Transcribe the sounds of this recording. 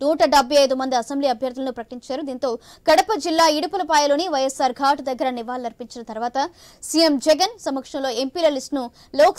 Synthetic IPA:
nuːʈɐɖɐbʱɐjɐjd̪umɐnd̪iɐsembliːɐbʱjɐɾd̪ulɐnupɾɐkɐ̥ʈiɲt͡ʃaːɾud̪iːnt̪o̞ː | ɡ̥ɐɽɐpɐd͡ʒilːaːiɽupɐlɐpaːjɐlo̞ːniʋɐjɐsaːɾɡʱaːʈd̪ɐɡːɐɾɐniʋaːlɐɾpiɲt͡ʃinɐt̪ɐɾuʋaːt̪ɐ | sijemd͡ʒɛɡɐnsɐmɐkʂɐmlo̞ːe̞mpiːlɐlisʈnu | loːk

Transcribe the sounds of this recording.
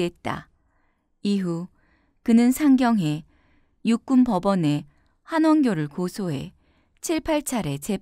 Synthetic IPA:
et̚t͈a̰ | iɦu | kɯnɯnsʰaŋɡjʌŋɦe̞ | juk̚k͈umpʌbʌne̞ | hanwʌŋɡjoɾɯɭkosʰoɦe̞ | t͡ɕʰiɭpʰaɭt͡ɕʰaɾe̞t͡ɕe̞

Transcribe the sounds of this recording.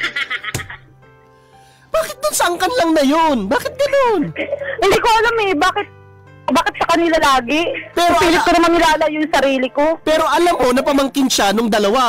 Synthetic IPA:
b̥aːkɪt̪̚d̪ʊnsɐɐŋkɐnlɐŋnɐjonbaːkɪt̪̚ɡɐnonɪnd̪iːkoʔɐlamɛbaːkɪt̪̚ | baːkɪt̪̚sɐkɐnɪlalaːɡɪpɛːɾopiːlɪt̪̚konɐmɐŋɪlaːlɐjʊŋsɐɾiːlɪko̞pɛːɾo̞ʔɐlamːo̞nɐpɐmɐŋkɪnʃanoŋd̪ɐlɐwa

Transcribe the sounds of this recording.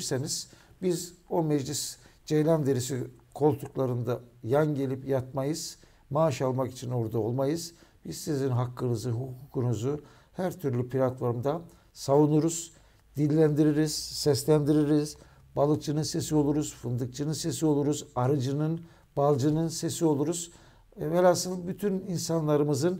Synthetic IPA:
ɾseniz̥ | bizo̞mɛd͡ʒlʲisd͡ʒejlʲand̪eɾis̬ikʰo̞lˠt̪ʰuklˠaɾɯnd̪ajanɟe̞lʲipjat̪̚majɯz̥ | maʃalˠmaki̥t͡ʃʰino̞ɾd̪ao̞lˠmajɯz̥b̥iz̥sizinɦakːɯnɯzɯɦukkʰukunuzu | hæɾt̪ʰyɾlʲypʰiɾʲat̪vaɾɯmd̪a | savunuɾuz̥ | d̪̥ilʲːænd̪iɾiɾiz̥ːɛslʲænd̪iɾiɾiz̥ | balˠɯk̚t͡ʃʰɯnɯnse̞sio̞lˠuɾuz̥fɯnd̪ɯk̚t͡ʃʰɯnɯnse̞sio̞lˠuɾuzaɾɯd͡ʒɯnɯn | balˠd͡ʒɯnɯnse̞sio̞lˠuɾuz̥ | velʲasɯnd̪byt̪ʰyninsanlˠaɾɯmɯzɯn

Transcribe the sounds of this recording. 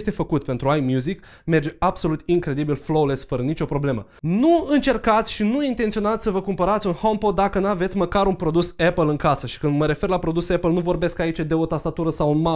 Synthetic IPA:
st̪e̞fəkut̪̚pe̞nt̪ɾuajmjuzik | me̞rd͡ʒeabso̞lut̪iŋkɾe̞d̪ibilflowlesfəɾənit͡ʃo̞pɾo̞ble̞mə | nuɨnt͡ʃe̞rkat̪sʲʃinuint̪e̞nt̪sio̞nat̪sʲsəvəkumpəɾat̪sʲunhompo̞d̪ːakənave̞t̪sʲməkaɾunpɾo̞d̪usepəlɨŋkasəʃi̥kɨnd̪məɾe̞fe̞rlapɾo̞d̪usepəlnuvo̞rbe̞skait͡ʃed̪e̞ot̪ast̪at̪uɾəsawunma

